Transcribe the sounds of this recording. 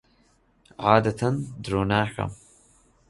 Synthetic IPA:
ʕaːd̪ɐt̪ʰɐnd̪ɾoːnaːxɐ̰m

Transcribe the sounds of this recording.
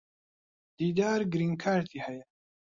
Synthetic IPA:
d̪̥iːd̪aːɾɡɨɾiŋkʰaːɾt̪ʰiːhɛjɛ

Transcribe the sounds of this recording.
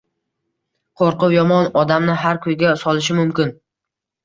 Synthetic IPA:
qʰoɾqʊwjɒmɒnɒd̪amnɪɦaɾkʰɵjɡʲasɒlˠɪʃ̬ɪmʊmkʲɪn

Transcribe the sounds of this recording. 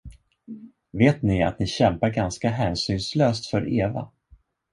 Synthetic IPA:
veːt̪nɪa̰t̪nɪɕɛmpaɾɡanskaɦæːnsyːnsløːst̪fœɾʔeːva̰

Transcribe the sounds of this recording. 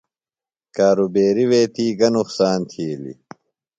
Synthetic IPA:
kaːɾubeːɾiweːt̪iːɡɐnuχsaːnt̪ʰiːlḭ

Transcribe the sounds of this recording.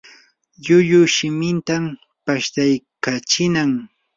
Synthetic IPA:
ʎʊʎʊʃɪmɪnt̪am | paʃt̪ajkat͡ʃɪnaŋ

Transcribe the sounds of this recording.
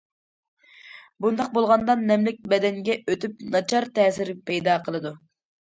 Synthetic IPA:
bund̪ɑq̚bolˠʁɑnd̪ɑnːɛmlɪk̚ʲbɛd̪ɛŋɡʲɛøt̪ʰyp̚nɑt͡ʃʰɑɾt̪ɛːsɪɾpʰɛjd̪ɑːqʰəlˠɨd̪u

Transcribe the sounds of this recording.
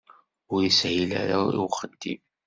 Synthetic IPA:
ʊɾjəsʕila̰ɾaiwχəd̪ːim

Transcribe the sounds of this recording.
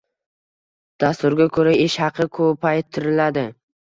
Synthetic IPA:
d̪̥ast̪ʊɾɡʲakʰɵɾaeʃhɑqʰɨkʰopʰajt̪ʰːɪɾɪlad̪ɪ

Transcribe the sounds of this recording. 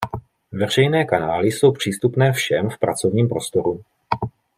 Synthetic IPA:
vɛr̝ɛjnɛːkanaːlɪso̞wpr̝̥iːst̪upnɛːfʃɛmfpɾa̰t͡so̞vɲiːmpɾo̞st̪o̞ɾu

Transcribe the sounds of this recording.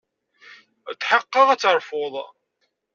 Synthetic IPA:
t̪ːħəqːɑʁæt͡sːəɾˤfoðˤ

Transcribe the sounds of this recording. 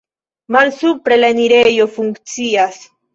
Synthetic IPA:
malsupɾe̞laniɾejo̞fuŋkt͡sias

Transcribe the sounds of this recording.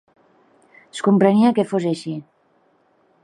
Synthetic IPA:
skumpɾeniakefozeʃi

